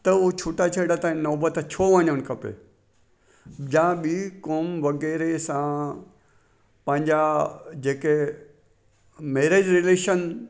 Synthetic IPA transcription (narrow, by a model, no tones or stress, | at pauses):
t̪ɐʊt͡ɕʰoːʈat͡ɕʰɐɽat̪ãːĩnɔːbət̪t͡ɕʰoʋɐɲənkʰɐpḛ | d͡ʑãɓiːkoːmʋɐɣɛːɾesã | pɐ̃ɦɪ̃ɲd͡ʑad͡ʑeːke | meːɾeːd͡ʑɾɪleːʃən